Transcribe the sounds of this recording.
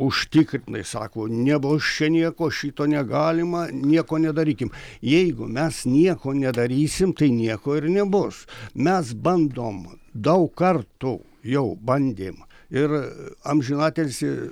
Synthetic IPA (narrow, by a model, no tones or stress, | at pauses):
ʊʃʲt̪ʲɪkɾʲɪnɐɪsɑ̰ːkoːnʲɛbʊst͡ʃʲɛnʲiɛkoːʃʲiːt̪oːnʲɛɡɑːlʲɪmɐnʲiɛkoːnʲɛd̪ɐɾʲiːkʲɪmjɛɪɡʊmʲɛsnʲiɛkoːnʲɛd̪ɐɾʲiːsʲɪmt̪ɐɪnʲiɛkoːɪrnʲɛbʊsmʲɛsbɐnd̪oːmd̪ɐʊkɐrt̪uː | jɛʊbɐnʲd̪ʲeːm | ɪrɐmʲʒʲɪnɑːt̪ʲelʲsʲɪ